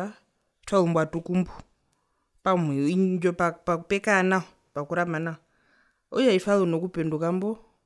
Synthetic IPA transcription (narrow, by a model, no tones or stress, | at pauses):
a | falumbwatukumbu | pameind͡ʒopapakupekanaɦo | pakuɾamanao | ujaifalunokupendukambo